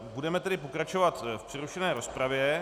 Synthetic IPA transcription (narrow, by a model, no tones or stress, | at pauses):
budɛmɛt̪ɛdɪpo̞kɾat͡ʃo̞vat̪fpr̥ɪɾuʃɛnɛːɾo̞spɾavjɛ